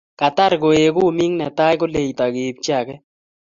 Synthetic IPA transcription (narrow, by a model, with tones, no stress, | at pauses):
ka˨t̪a˦ɾko˨e˨kʊ˦˨mi˦ŋnɛ˨t̪a˦jko˦le˨t̪a˨ɡe˨p̚t͡ʃa˨kɛ˦